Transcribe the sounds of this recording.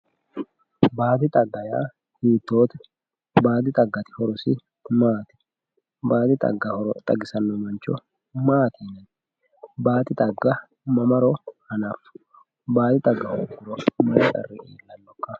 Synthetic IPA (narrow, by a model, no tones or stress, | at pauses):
baːd̪ɪt̪ʼɐɡːɐja̰ː | hiːt̪ːoːt̪ɛ̥ | baːd̪ɪt̪ʼɐɡːɐt̪ɪ̥hɔɾɔsɪ | maːt̪ɪ̥ | baːd̪ɪt̪ʼɐ̰ɡːɐhɔɾɔt̪ʼɐɡɪsɐnːɔmɐnt͡ʃːɔ | maːt̪ʰiːnɐn | baːt̪ɪt̪ʼɐɡːɐ | mɐmɐɾɔhɐnaf | baːd̪ɪt̪ʼɐɡːɐhɔɾɡʊɾɔmɐɾɛtʼɐ̰rːɪeːlːɐnːɔkːɐ